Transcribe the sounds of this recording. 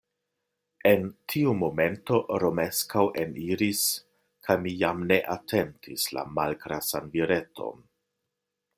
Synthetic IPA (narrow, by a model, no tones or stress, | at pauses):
e̞ntʰiumo̞me̞nto̞ɾo̞me̞skawʔe̞niɾis | kʰajmijamne̞ʔatʰe̞ntʰisla̰malkɾasanviɾe̞tʰo̞̰n